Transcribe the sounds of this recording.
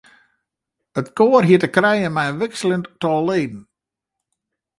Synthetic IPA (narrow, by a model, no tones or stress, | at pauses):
ətkoːərɦiətəkrɛjəmɛjʋɪksələntɔlleːdn̩